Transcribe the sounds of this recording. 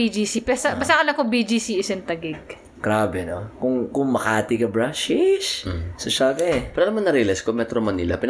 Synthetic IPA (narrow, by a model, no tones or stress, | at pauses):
id͡ʒisipɛsɐbɐst̪ɐkɐlɐŋkoŋbid͡ʒisiʔɪsɛnt̪ɐɡɪɡ̚ | kɾaːbɛnokʊŋkʊŋmɐkaːt̪ikɐbɾaʃɪʃsɐʃakɐɛpɛːɾoɐlɐmɐŋnɐɾilɛskomɛt̪ɾomɐnilɐ̰pɪn